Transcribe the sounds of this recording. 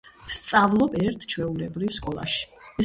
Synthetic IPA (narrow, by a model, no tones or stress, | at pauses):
st̪sʼavlˠɔpɛɾt̪ʰt͡ʃʰwɛulɛbɾifskʼɔlˠa̰ʃi̥ɛ